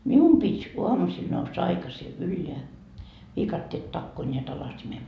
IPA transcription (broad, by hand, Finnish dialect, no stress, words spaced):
mium pitʲ uɑmusil nousːɑ ɑikɑsi ylːeæ ʋiːkɑtːeːt tɑkːoː nʲeæt ɑlɑsimem